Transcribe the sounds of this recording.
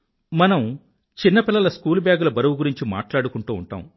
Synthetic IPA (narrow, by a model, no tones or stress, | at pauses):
mɐnɐm | t͡ʃinːɐpilːɐlɐskuːlbjaːɡulɐbɐɾɐwuɡuɾiɲt͡ʃima̰ːʈlaːɽukuɳʈuːṵɳʈa̰ːm